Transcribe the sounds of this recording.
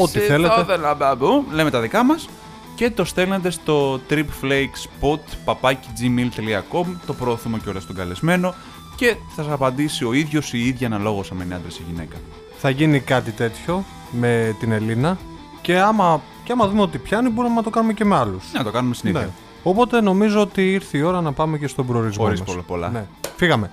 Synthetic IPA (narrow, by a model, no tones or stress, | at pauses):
ot̪iθeleðelɐbɐbuleme̞t̪ɐðikɐmɐs | ce̞t̪o̞st̪e̞lne̞d̪e̞st̪o̞t̪ɾipflejkspot̪pɐpɐcid͡zimilt̪eliɐko̞mt̪o̞pɾoːθume̞ceo̞lɐst̪o̞ɡɐle̞zme̞no̞ | ce̞θɐs̬ɐsɐpɐnd̪isio̞iðʝo̞siiðʝɐnɐlo̞ɣo̞sɐmeniɐnd̪ɾeseʝine̞̰kɐ | θɐʝinikɐt̪it̪e̞t̪ço̞ | me̞t̪ine̞linɐ | ce̞ɐmɐ | ceɐmɐðume̞o̞t̪̬ipçɐnibo̞ɾimenɐt̪o̞kɐnume̞ce̞meɐlusɐt̪okɐnumest̪inine | opo̞t̪e̞no̞mizo̞ot̪iiɾθiːo̞ɾɐnɐpɐme̞ce̞st̪o̞bɾoɾizmoɾismɐolpolɐ̰nefiɣɐme̞